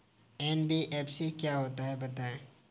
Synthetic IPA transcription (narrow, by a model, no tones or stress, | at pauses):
ɛːnbiʔɛːpʰsekjaɦoːt̪aɦɛbɐt̪aẽ